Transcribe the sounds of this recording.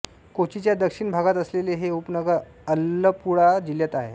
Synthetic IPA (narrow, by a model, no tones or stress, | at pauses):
kot͡ɕit͡ɕjad̪əkʂiɳbʱaɡat̪əsleleɦeupnəɡəɾ | əlːəpuɽad͡ʑiljat̪aɦḛ